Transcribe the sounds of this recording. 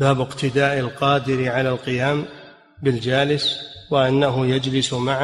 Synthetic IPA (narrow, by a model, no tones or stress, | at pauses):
baːbɪqt̪ʰɪd̪aːʔɪlqɑːd̪ɪɾʕalalqɨjaːm | bɪld͡ʒaːlɪswɪʔanːaɦʊjad͡ʒlɪsmaʕ